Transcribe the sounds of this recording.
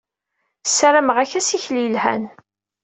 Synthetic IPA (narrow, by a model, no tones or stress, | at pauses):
sæɾaməʁæçæsiçlijəlhæ̰n